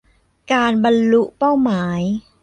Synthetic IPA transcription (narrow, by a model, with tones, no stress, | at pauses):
kaː˧nba˧nlu˦˥ʔpa˥˩wmaː˩˦j